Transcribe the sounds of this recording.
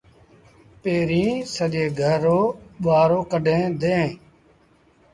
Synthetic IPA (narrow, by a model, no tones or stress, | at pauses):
peːɾĩːsəɗeːɡʱəɾoːɓaːɾoːkəɗʱẽːd̪ẽː